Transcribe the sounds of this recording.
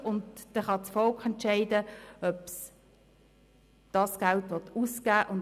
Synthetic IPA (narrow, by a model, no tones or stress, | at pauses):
ʊndd̥ɛχɑt͡sfɔlkχɛntt͡ʃɛɪdəœps | d̥ɑsɡ̥altʋɔtusɡ̥æːʔʊn